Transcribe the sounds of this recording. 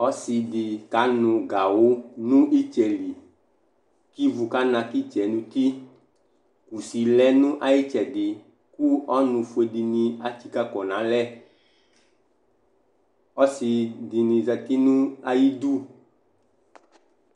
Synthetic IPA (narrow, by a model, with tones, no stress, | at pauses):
ɔ˦si˧di˨ka˨˦nʊ̃˨ɡa˨wo˦nũ˦ʔi˦t͡ʃɛ˨li˨ | ki˦vu˨ka˦nã˨ki˦t͡ʃɛ˨nũ˨t̪i˦ | ku˨si˨lɛ˦nũ˦ʔa˨ji˦t͡ʃɛ˨dɪ˨ | ku˦ɔ˦nũ˨fu˨˦e˨di˨nĩ˨a˨t͡ʃi˦ka˦kɔ˨nã˨˦lɛ˦ | ɔ˦si˧di˨nĩ˨zɛ˨t̪i˦nũ˦a˨ji˦d̪u˦